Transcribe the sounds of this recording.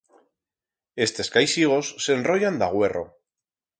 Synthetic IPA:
e̞st̪e̞skajsiɣ̞o̞sːe̞nro̞ʝand̪aɣ̞we̞ro̞̰

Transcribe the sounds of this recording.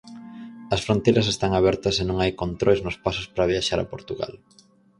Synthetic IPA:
ɐsfɾont̪ejɾɐs̬est̪aŋaβ̞ɛɾt̪ɐsenõŋajkont̪ɾojznʊspaso̥spɾaβ̞jaʃaɾɐ̰poɾt̪uɣa̰l

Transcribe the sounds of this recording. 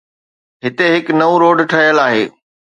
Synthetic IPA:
ɦɪt̪eɦɪknɐũɾoːɖʈʰɐɦjəlaːɦḛː

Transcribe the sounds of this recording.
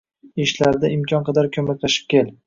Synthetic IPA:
eʃlaɾd̪aɪmkʰʲɒnqʰɑd̪aɾkʲʰɵmakʲlaʃɪ̥p̚kʲʰel

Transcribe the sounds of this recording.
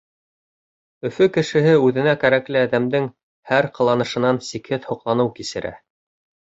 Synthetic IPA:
ɵ̆fɵkɘ̆ʃɘ̆ɦɘʉðɘ̆nækæɾæklɘæðæmd̪ɘŋ | hæɾqɤ̆lˠɑnɤ̆ʃɤ̆nɑnsikhɘðhŏqlˠɑnɤwkisɘ̆ɾæ̰

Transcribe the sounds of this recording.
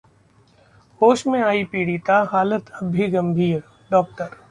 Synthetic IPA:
hoːʃmẽaːipiːɽit̪aɦaːlət̪ɐbʱiɡɐ̃mbʱiːɾ | ɖɔːk̚ʈəɾ

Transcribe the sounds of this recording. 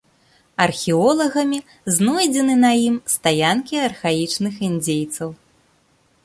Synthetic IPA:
ɐrxʲiɔlˠɐɣɐmʲi | znɔjd͡zʲɛnɨnɐjimst̪ajankʲiɐrxajit͡ʂnɨxind͡zʲejt̪sɐw

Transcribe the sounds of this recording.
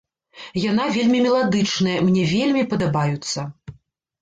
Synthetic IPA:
janavʲelʲmʲimʲɛlˠad̪ɨt͡ʂnɐjɐmnʲɛvʲelʲmʲipɐd̪abajut̪sːɐ

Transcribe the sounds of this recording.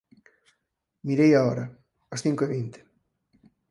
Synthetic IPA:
miɾejaɔɾɐ | ɐsθiŋkoeβint̪ɪ̥

